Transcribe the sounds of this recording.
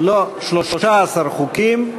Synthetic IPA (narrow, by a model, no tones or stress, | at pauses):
loʃloʃoʃaːsaɾχukim